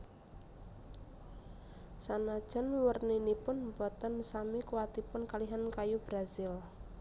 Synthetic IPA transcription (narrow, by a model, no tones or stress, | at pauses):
sanad̥ʒ̥ə̤nwərninipʊnbɔt̪ənsamikuwat̪ipʊnkaliɦankajub̥ɾazɪl